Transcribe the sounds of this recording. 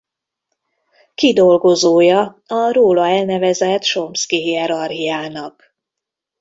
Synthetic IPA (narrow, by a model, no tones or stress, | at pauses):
kid̪o̞lɡo̞zoːjɒ | ɒɾoːlɒɛlnɛvɛzɛt̪ʃomskiɦiɛɾɒrɦijaːnɒk